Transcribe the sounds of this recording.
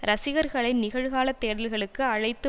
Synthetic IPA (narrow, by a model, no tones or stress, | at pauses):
ɾɐsɪɣɐɾɣɐɭɪnnɪɣɐɻɣaːlɐt̪ːeːɽɐlɣɐɭɯkːɯɐɻɐɪt̪ːɯ